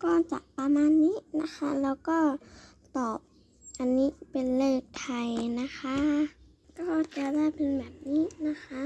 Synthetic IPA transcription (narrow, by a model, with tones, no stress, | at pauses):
kɔː˧˩nt͡ɕa̰˨˩ʔpa˧maː˧˥˨nːiː˦˥˨na˦˥xʰa˦˥lɛː˧˥wkɔː˥˩ | t̪ɔː˨˩p̚ | ʔa˧nːiː˦˥pe˨nlɤː˥˩k̚t̪ʰa˧jna˦˧˥kʰa˦˥ | kɔː˥˧˩t͡ɕa˧˩daː˥˩˨jpʰe˧nbɛː˨˩p̚niː˦˥na˧˥kʰa˦˥ʔ